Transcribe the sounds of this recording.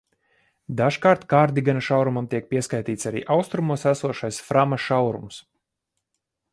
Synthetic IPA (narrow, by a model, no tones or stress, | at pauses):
d̪aʒkaːɾt̪kaːɾd̪iɡanaʃawɾumamt̪iɛk̚pʲiɛskajt̪iːt̪saɾḭːʔawst̪ɾumuɔsæsuɔʃajsfɾamaʃawɾṵms